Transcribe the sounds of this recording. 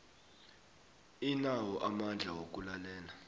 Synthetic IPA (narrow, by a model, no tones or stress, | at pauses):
inawɔʔamand͡ɮʱawok̬ʼulalɛːla